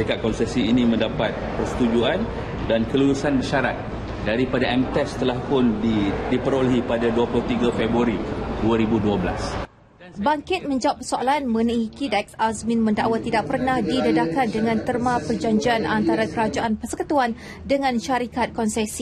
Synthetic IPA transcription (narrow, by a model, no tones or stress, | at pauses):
ikat̪̚kɔnsɛsiːnĩmə̃ndapat̪̚pərsə̥t̪ud͡ʒuan | dankəluɾusanməʃaɾat̪̚ | daɾipadaɛmt̪ɛst̪əlahpʊndidipəɾoləɦipadaduapulʊht̪iɡafɛbɾuaɾiduaɾibuduabəla̰s | baŋkɪt̪̚mə̃ɲd͡ʒawapːərsoalanməniikidak̚sasmĩnmə̃ndaʔwat̪ːidaʔ̚pərnahdidədakandəŋãnt̪ərmapərd͡ʒaɲd͡ʒianʔant̪aɾakəɾad͡ʒaʔanpərsəkət̪uan | dəŋãnʃaɾikat̪̚kɔnsɛsi